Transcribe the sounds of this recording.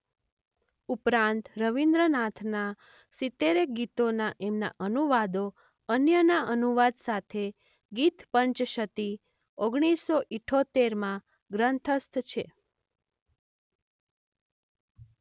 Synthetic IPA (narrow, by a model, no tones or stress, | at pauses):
upɾãnt̪ɾəʋind̪ɾənat̪ʰna | sit̪ːeɾek̚ɡit̪onaʔemna̰ʔənuʋad̪o | ənjənaʔənuʋad̪sat̪ʰe | ɡit̪pəɲt͡ʃʃət̪i | oɡɽ̃isːoʔiʈʰot̪eɾmã | ɡɾənt̪ʰəst̪t͡ʃʰe